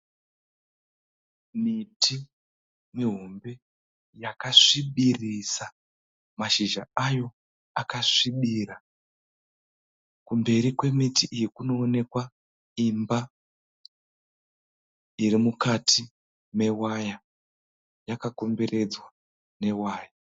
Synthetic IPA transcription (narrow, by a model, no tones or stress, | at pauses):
mitʰi | miɦombe̞ | jakaʂiɓirisa | maʃiʒa̰ajo̞ | akaʂiɓira | kumbe̞ɾikwe̞mitiʔijikuno̞ːne̞kwa | imba | irimukatʰi | me̞waja | jakako̞mbere̞d͡zwa | ne̞waːja